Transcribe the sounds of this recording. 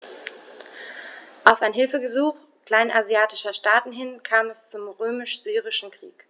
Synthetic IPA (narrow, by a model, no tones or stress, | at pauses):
ʔaʊfaɪnɦɪlfəɡəzuːχ | kl̥aɪnʔazjaːtɪʃɐʃtaːtn̩ɦɪnkʰaːmɛst͡sʊmʁøːmɪʃz̥yːʁɪʃn̩kʁ̥ḭːk